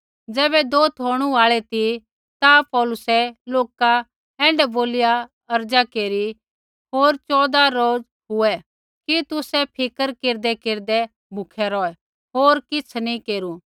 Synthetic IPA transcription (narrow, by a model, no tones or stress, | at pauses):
d͡zɛːβɛd̪oːt̪ʰɦoːɽ̃uaːɭɛt̪i | t̪apɔːlʊsɛloːka | ɛ̃ːɳɖɛboːlɪja | ɐɾd͡ʒakeːɾi | ɦoːɾt͡ʃɔːd̪aɾoːd͡z | ɦʊɛ | kit̪ʊsɛpʰɪkəɾkeːɾd̪ɛkeːɾd̪ɛ | bʱʊkʰɛɾɔːɛ | ɦoːɾkɪt͡sʰnĩkeːɾu